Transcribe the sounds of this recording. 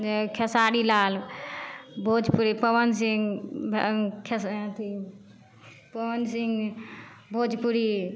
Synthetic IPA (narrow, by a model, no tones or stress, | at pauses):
ekʰɐsaːɗiːlaːl | bʱoːd͡ʒpuɾipɐʋəns̬ɪŋɡb̰kʰɐst̪ʰi | pɐʋənsɪŋɡ | bʱoːd͡ʒpuɾiː